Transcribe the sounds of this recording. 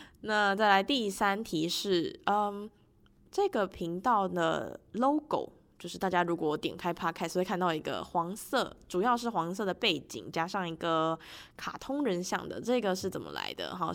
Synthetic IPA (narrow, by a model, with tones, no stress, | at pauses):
na˥˧t͡sa˥˩ɪla˧˥ɪt̪i˥˩˧sa˥nt̪ʰi˧˥ʂɻ̩˥˩ə˧˩ | ʈ͡ʂɤ˥˩ɡə˨˩pʰi˧˥ŋt̪ɑ˥˩ʊd̪ə̰˩lo˥ʊko̰˨˩ʊ | t͡ɕjo˥˧ʊʂɻ̩˥˩t̪a˥˧˩t͡ɕja˥ɻu˧˥kwɔ˩wt̪jɛ˨˩nkʰa˥ɪpʰa˥kʰskʰa˥˧nt̪ɑ˥˩ʊi˧˥ɡə̰˧xwɑ˧˥ŋsɤ˥˩ʈ͡ʂu˨˩jɑ˥˧ʊʂɻ̩˥˩xwɑ˧˥ŋs̬ɤ˥˩d̪ə˩pe˥˩ɪt͡ɕḭ˨˩˦ŋt͡ɕja˥ʂɑ˥˩ŋi˧˥ɡə˧kʰa̰˨˩t̪ʰʊ˥ŋɻə˧˥nɕjɑ̰˥˩ŋd̪ə̰˩ʈ͡ʂɤ˥˩ɡə˩ʂɻ̩˥˩t͡sə˨˩nmə̰˦la̰˧˥ɪd̪ə̰˧˩ɦɑ̰˥˩